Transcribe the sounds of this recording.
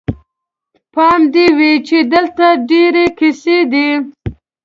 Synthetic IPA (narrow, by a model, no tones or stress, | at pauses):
pɑmd̪iwit͡ʃed̪əlt̪aɖeɾekised̪i